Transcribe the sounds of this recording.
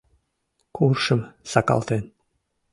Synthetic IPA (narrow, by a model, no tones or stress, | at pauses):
kʰurʃə̆msɑkɑ̰lˠt̪en